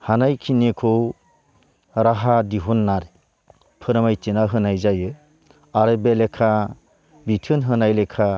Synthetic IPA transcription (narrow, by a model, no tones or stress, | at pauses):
hanajkʰinekʰɔw | ɾaɦadiɦunːaɾe | pʰɯɾmajtenaɦɯnajzajɯ | aɾɯbelekʰa | bitʰɯnɦɯnajlekʰa